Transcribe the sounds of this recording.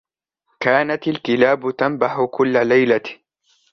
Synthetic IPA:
kaːnat̪ɪlk̪ɪlaːbʊt̪ambaħʊkʊlːalajla

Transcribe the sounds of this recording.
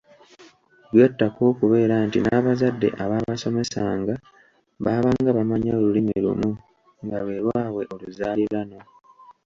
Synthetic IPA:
lweːtːako̞ːkuβe̞ːɾantinaːβazadːe̞̰ʔaβaːβaso̞me̞saːŋɡa | βaːβaŋɡaβamaɲaolulimelṵmu | ŋɡalwe̞ːɾwaːβwe̞ʔo̞luzaːliɾano̞

